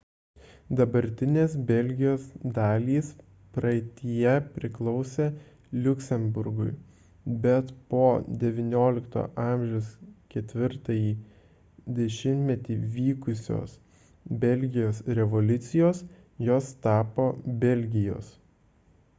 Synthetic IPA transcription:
d̪ɐbɐɾʲt̪ʲɪnʲeːsbʲɛlʲɡʲɪjoːsd̪ɑːlʲiːs | pɾɐɪt̪ʲiɪjɛpʲɾʲɪklˠɒʊsʲe | lʲʊkʲsʲɛmbʊɾɡʊɪ | bʲɛt̪poːd̪ʲɛʋʲɪnʲoːlʲɪkt̪o̰ːʔɑˑmʲʒʲɛʊskʲɛt̪ʲʋʲɪɾt̪ɐjiː | d̪ʲɛʃʲɪmʲt̪ʲmʲɛt̪ʲiːʋʲiːkʊsʲo̰ːs | bʲɛlʲɡʲɪjoːsɾʲɛʋɔlʲʊt̪sʲɪjoːs | joːst̪ɑːpoːbʲɛlʲɡʲɪjo̰ːs

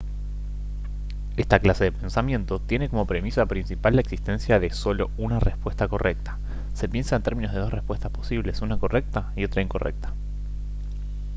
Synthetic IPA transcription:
est̪aklase̞ðepe̞nsamje̞nt̪o̞t̪je̞ne̞ko̞mo̞pɾe̞misapɾinsipalːaeksist̪e̞nsjaðeso̞lo̞unarespwe̞st̪ako̞rʔek̚t̪ḁ | se̞pje̞nsaent̪e̞ɾmĩnoð̞e̞ðo̞srespwest̪ḁspo̞siβle̞sunako̞rʔe̞k̚t̪aio̞t̪ɾaiŋko̞rḛk̚t̪ḁ

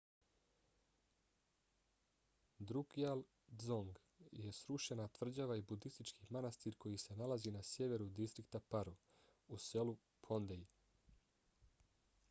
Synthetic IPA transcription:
d̪ɾukial | zoŋɡ | je̞sɾuʃe̞nat̪ʋr̩d͡ʑaʋaibud̪ist̪it͡ʃkimanast̪iɾko̞jise̞nalazinasje̞ʋe̞ɾud̪ist̪ɾikt̪apaɾu | use̞lu | pʰond̪ej

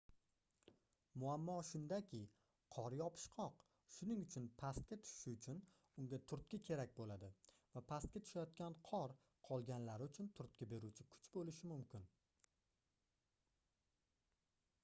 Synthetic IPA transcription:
mʊamːɒʃʊnd̪akʲʰɪ | qʰɒɾjɒpʰɪ̥ʃqʰɒq | ʃʊnɪŋʊt͡ʃʰʊnpʰast̪̚kʲat̪ʰʊ̥ʃɪ̥ʃɪʊt͡ʃʰʊn | ʊŋɡʲat̪ʰʊɾt̪̚kʲakʲʰe̞ɾak̚ʲbolad̪ɪ | vapʰast̪̚kʲat̪ʰʊ̥ʃajɒt̪̚kʲanqʰɒɾ | qʰɒlˠɡʲanlaɾɪʊt͡ʃʰʊnt̪ʰʊɾt̪̚kʲabe̞ɾut͡ʃʰɪkʰʊ̥t͡ʃbolɪʃɪmʊmkʲʰɪn

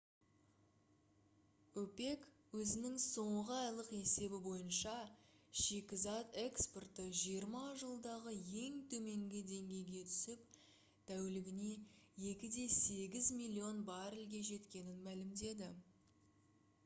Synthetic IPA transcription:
ɵpe̞k | wɵzɪnɪŋso̞ɴʁəɑjlˠəqe̞se̞bɪbo̞jənʃɑʃe̞kʲɪzɑt̪e̞ksport̪əʒijəɾmɑʒəlˠd̪ɑʁəje̞ŋt̪ʰɵme̞ŋɡʲɪd̪e̞ŋɡʲe̞jɡʲe̞t̪ʰʏ̥sɪp | d̪̥ʰæwɪlɪɡʲɪne̞jekʲɪd̪e̞se̞ɡʲɪzmilʲːio̞nbɑɾɪlɡʲe̞ʒe̞t̪kʲe̞nɪnmælɪmd̪e̞d̪ɪ

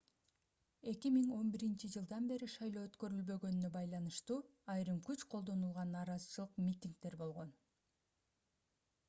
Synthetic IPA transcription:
e̞kimiŋo̞nbiɾint͡ʃid͡ʒɯlˠd̪ɑnbe̞ɾiʃɑjlˠoːøt̪kø̞ɾylbø̞ɡø̞nynø̞bɑjlˠɑnɯʃt̪uːɑjɾɯmkyt͡ʃqʰo̞lˠd̪o̞nulˠʁɑnːɑːɾɑzɯt͡ʃɯlˠɯqmʲit̪ʲiŋk̚t̪e̞ɾbo̞lˠʁo̞n

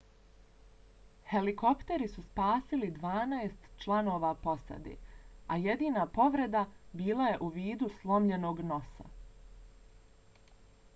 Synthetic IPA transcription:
he̞liko̞pt̪e̞ɾisuspaːsilid̪ʋaːnaest̪t͡ʃlˠano̞ːʋapo̞sa̰d̪ḛajed̪iːnapo̞ʋɾe̞d̪abiːlˠaje̞ʔuʋiːd̪uslˠo̞mʎe̞no̞ːɡno̞sa̰

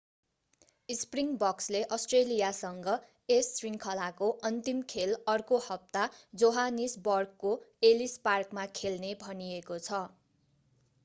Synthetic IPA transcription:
ispriŋbʌksleʔʌsʈrelijasʌŋɡʌ | esːriŋkʰʌlakoʔʌnt̪imkʰelʌrkohʌp̚t̪ad͡zoɦanisbʌrkːoelisparkmakʰelnebʱʌniekot͡sʰʌ

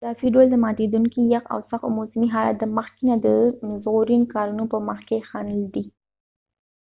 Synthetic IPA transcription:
d̪ɑfiɖold̪əmɑt̪ed̪uŋkijaqa̰wsaxomosəmiɦɑla̰t̪̚d̪əməxkinad̪əmzɣuɾinkɑɾunopəməxkexɑnəld̪i

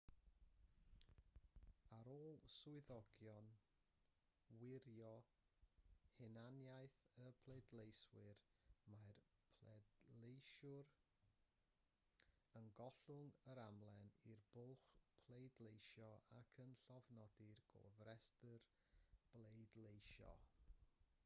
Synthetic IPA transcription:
aɾoːlˠsʊɨðɔɡjɔn | wɪɾjɔ | hɪnanjajθəpʰlˠejdlejswɪrmarpʰlɛdlejʃʊɾ | ənɡɔɬʊŋəɾamlˠɛnirbʊlˠχpʰlˠejdlˠejʃjɔʔakʰənɬɔvnɔdɪrɡ̥ɔ̰vrɛstər | b̥lˠejdlˠejʃɔ̰

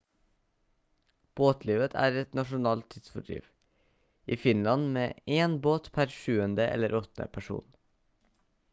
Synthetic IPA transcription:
b̥oːt̪ʰliːʋət̪ʰæ̰ːɾɛt̪nɑʃʊnɑːlt̪ʰɪd̪sfɔɖɾḭːʋ | iːfɪnlɑnmeːʔeːnboːt̪pʰæɾʃʉːənd̪əʔɛ̰ləɾɔt̪nə̰pʰæʃṵːn

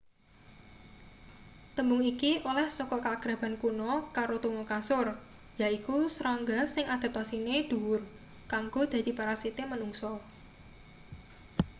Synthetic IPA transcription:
t̪əmbʊŋikiʔolɛhsɔkɔkaɡ̥ɾa̤b̥a̤nkunɔkaɾot̪uŋɔkasʊr | jaikusɾaŋɡasɪŋad̪̥a̤p̚t̪asined̪̥ṳwʊr | kaŋɡod̪̥ä̤d̪̥i̤paɾasit̪emənuŋsɔ

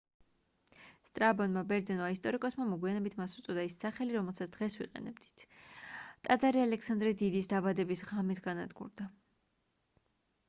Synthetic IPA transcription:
st̪ʼɾabɔnmabɛɾd̪zɛnvaist̪ʼɔɾikʼɔsmamɔɡwianɛbit̪ʰmasut̪sʼɔd̪aisːaχɛliɾɔmɛlˠsat̪sʰd̪̥ʁɛsvwḭqʼɛ̰nɛbd̪i̥t̪ʰ | t̪ʼad̪zaɾialɛksand̪ɾɛd̪id̪isd̪abad̪ɛbisʁamit̪ʰɡana̰d̪ɡṵɾd̪a

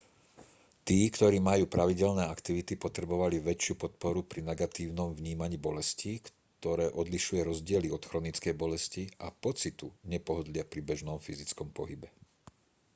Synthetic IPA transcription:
t̪iːkt̪ɔɾiːmajuːpɾaʋiɟɛlnɛːakt̪iʋit̪ipɔt̪ɾɛbɔʋaliʋɛt͡ʃɪupɔt̪̚pɔɾupɾinɛɡat̪iːʊnɔmvɲiːmaɲiːbɔlɛscik | t̪ɔɾɛːʔɔd̪liʃujɛɾɔzɟɪɛliɔt̪xɾɔnit͡skɛjbɔlɛsciʔapɔt͡sit̪uɲɛpɔɦɔd̪lɪapɾibɛʒnɔmfizit͡skɔmpɔɦibɛ

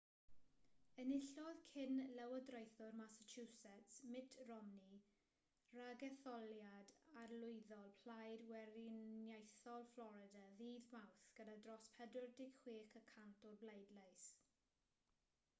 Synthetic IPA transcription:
ənɪɬɔðkʰɪnlɛwədrojθʊrmasət͡ʃʰuːsɛtsmɪtʰrɔmni | raɡɛθɔljadarlʊjðɔlˠpʰl̥ajdwɛɾinjejθɔlˠflɔɾɪdaðiːðmawθɡ̥ədadrɔspʰɛdʊrdɪɡχw̥iːkəkʰantʰɔrblejdlajs

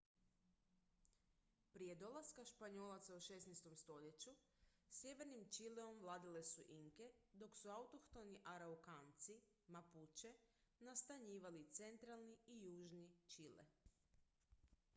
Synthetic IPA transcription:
pɾije̞d̪o̞lˠaskaʃpaɲoːlˠat̪sauʃesnejst̪o̞mst̪o̞ʎe̞t͡ɕu | sjeʋe̞ɾnimt͡ʃileo̞mʋlˠaːd̪ile̞suʔiŋke̞d̪o̞ksuawt̪oxt̪o̞niʔaɾaukant̪si | maput͡ɕenast̪aɲiːʋalit̪se̞nt̪ɾalˠniijuːʒnit͡ʃilḛ

